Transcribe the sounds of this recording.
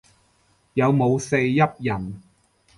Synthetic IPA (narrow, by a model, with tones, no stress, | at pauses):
jɐ˨˧wmo˨˧wse˧jːɐ˥p̚jɐ˨˩n